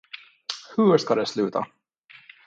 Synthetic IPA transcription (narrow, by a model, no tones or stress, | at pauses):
hɵʂkad̪ɛslʉːt̪ʰa̰